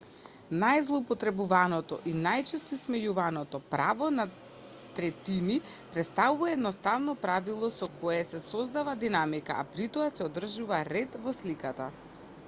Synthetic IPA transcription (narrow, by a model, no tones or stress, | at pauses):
najzlˠoupɔt̪ɾɛbuvanɔt̪ɔ̰ʔinajt͡ʃɛst̪ɔismɛjuvanɔt̪ɔpɾavɔna | t̪ɾɛt̪ini | pɾɛt̪st̪avuvaɛd̪nɔst̪avnɔpɾavilˠɔsɔkɔjɛsɛsɔzd̪avad̪inamika̰ʔa̰pɾit̪ɔasɛɔd̪r̩ʒuvaɾɛt̪vɔslikat̪a